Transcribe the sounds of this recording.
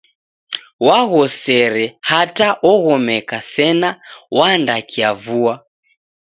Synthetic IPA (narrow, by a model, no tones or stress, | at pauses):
waɣɔsɛɾɛhataʔɔɣɔmɛkasɛnawandakʰiavua